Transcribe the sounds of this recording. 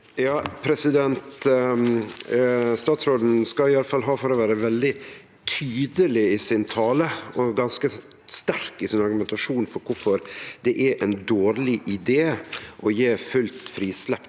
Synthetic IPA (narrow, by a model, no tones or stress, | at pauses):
jɑːpʰɾɛsɪd̪ɛnt̪ | st̪ɑːt̪sɾoːd̪n̩skɑɪɑləfɑlɦɑːfɔɾɔʋæːɾəʋɛld̪ɪ | t̪ʰyːd̪əlɪɪsɪnt̪ʰɑːləɔɡɑnskə | st̪æɾkɪsɪnɑɾɡʉmɛnt̪ɑʂuːnfɔɾkʰʊɾfɔɾd̪̥ɛʔɛʔɛnd̪oːɾlɪʔɪd̪eːʔɔjeːfʉlt̪fɾiːslɛpː